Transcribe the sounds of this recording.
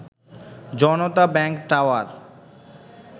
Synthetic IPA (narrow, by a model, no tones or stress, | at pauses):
d͡ʑɔnot̪abɛŋkʈawaɾ